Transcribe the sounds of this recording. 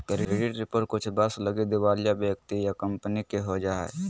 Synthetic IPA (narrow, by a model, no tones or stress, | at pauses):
kɾeɾeɖiʈɾipəɾkʊt͡ʃʰbəsləɡed̪eʋaːlijabekt̪ijakəmpənikeɦod͡ʒaːɦɛ̰